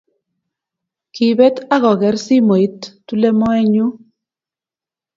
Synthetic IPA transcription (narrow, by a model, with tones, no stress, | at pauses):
ki˨bɛ˦t̪a˦ɣɔ˨ɣɛ˨˦rsi˦mo˨i˦t̪ːu˦lɛ˦mɔ˦ɛ˦ɲu˦